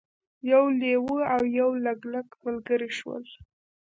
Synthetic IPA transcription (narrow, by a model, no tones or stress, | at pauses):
jawlewəawjawlaɡlakmalɡəɾiʃwə̰l